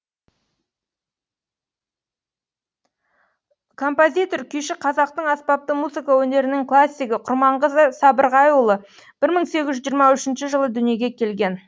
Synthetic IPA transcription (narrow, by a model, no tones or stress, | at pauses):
kʰo̞mpo̞zʲijt̪o̞rkʲʰʏjʃɪqʰɑzɑqt̪əɴɑspɑp̚t̪əmuzɨkawɵne̞ɾɪnɪŋklˠasʲːijɡəqʰʊɾmɑɴʁəzəsɑbəɾʁɑjʊlˠə | b̥ɪɾməɴse̞ɡʲɪʒʒijːɾmɑʏʃɪnʃɪʒəlˠəd̪ʏnije̞ɡʲe̞kʲʰe̞lɡʲe̞n